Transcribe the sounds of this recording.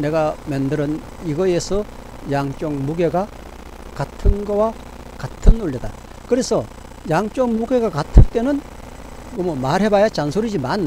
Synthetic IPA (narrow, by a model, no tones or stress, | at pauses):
ne̞ɡamendɯɾɯn | iɡʌesʰʌ | jaŋt͡ɕ͈oŋmuɡe̞ɡa | katʰɯnɡʌwa | katʰɯnuɭːida̰ | kɯɾe̞sʰʌ | jaŋt͡ɕ͈ʌŋmuɡe̞ɡakatʰɯnt͈e̞nɯn | momomaɾɦe̞bajat͡ɕansʰoɾid͡ʑimanː